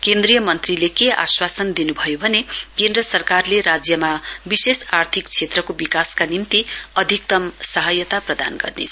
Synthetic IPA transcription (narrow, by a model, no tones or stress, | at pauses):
kend̪rijʌmʌnt̪rilekea̰swasʌnd̪inubʱʌjobʱʌnekend̪rʌsʌrkarleɾad͡zjʌmabisesart̪ʰikt͡sʰet̪rʌkobikaskanimt̪iʌd̪ʱik̚t̪ʌmsʌɦʌjʌt̪aprʌd̪a̰nɡʌ̰rnḛt͡sʰ